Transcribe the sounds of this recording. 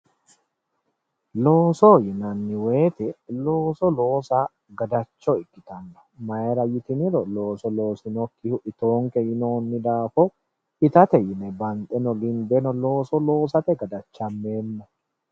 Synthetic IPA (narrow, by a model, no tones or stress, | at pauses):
loːsɔjɪnɐnːɪwe̞ːt̪ɛlo̞ːsɔlo̞ːsa | ɡɐd̪ɐt͡ʃːɔɪkːɪt̪ɐnːɔ̥mɐɛɾɐjɪt̪ɪnɪɾɔlo̞ːsɔlo̞ːsɪnɔkːɪhʊʔɪt̪o̞ːŋkɛjɪno̞ːnːɪd̪aːfɔ | ɪt̪ɐt̪ɛjɪnɛbɐnt̪ʼɛnɔɡɪnb̪ɛnɔlo̞ːsɔlo̞ːsɐt̪ɛɡɐd̪ɐt͡ʃːɐmːe̞ːnːɔ